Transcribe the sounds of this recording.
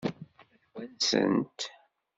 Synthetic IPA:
wænsə̰nt̪

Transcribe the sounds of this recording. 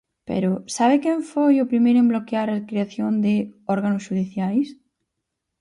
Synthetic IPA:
pḛɾosaβ̞ekeɱfojopɾimeɾoemblokeaɾakɾeaθjond̪eoɾɣanosʃuðiθjajs

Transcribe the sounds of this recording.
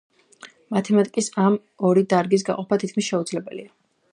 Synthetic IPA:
mat̪ʰɛmat̪ʼikʼisam | ɔɾid̪aɾɡis̬ɡa̰qʼɔpʰat̪ʰit̪kʰmisʃɛud̪zlɛbɛlḭa

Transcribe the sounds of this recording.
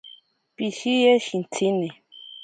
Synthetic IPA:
piʃijɛʃin̩tʰini

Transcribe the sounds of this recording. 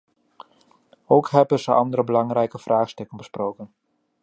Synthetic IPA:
owkɦɛbənzəʔɑndəɾəbəlɑŋɾɛjkəv̥raːχstɵkənbəsprowkən

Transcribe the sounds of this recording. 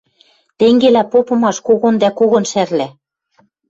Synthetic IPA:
t̪eŋɡelæpopɤ̆mɑʃkoɣond̪ækoɣŏnʃærlæ

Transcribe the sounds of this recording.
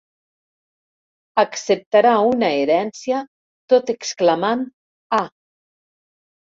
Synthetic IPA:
aksep̚t̪aɾaunaeɾɛnsja | t̪ot̪eksklaman | a

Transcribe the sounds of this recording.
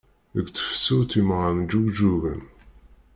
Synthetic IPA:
əɡʷt͡sːə̥fsuθimʁənd͡ʒuɡd͡ʒuvə̰n

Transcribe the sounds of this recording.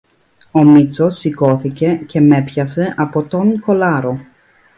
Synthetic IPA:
o̞mit͡so̞sːiko̞θice̞ce̞me̞pçɐse̞ʔɐpo̞t̪o̞ŋko̞lɐɾo̞

